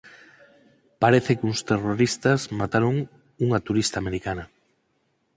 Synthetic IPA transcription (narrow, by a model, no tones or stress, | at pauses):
paɾeθɪkuŋst̪eroɾist̪azmat̪aɾoŋ | uŋat̪uɾist̪ameɾikanɐ